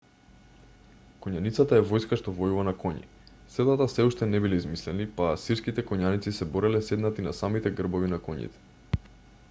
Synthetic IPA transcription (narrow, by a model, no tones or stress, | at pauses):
kɔɲanit̪sat̪aɛvɔjskaʃt̪ɔvɔjuvanakɔɲḭ | sɛd̪at̪asɛuʃt̪ɛnɛbilɛizmislɛnipasiɾskit̪ɛkɔɲanit̪sisɛbɔɾɛlɛsɛd̪nat̪inasamit̪ɛɡr̩bɔvinakɔɲḭt̪ɛ̥